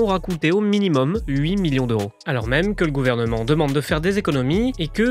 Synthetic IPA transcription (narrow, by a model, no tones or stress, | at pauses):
ɔʁakut̪eominimɔmɥimiljɔ̃d̪øʁo | alɔ̰ʁmɛmkələɡuvɛʁnəmɑ̃d̪əmɑ̃d̪ːəfɛʁd̪ezekɔnɔmiekə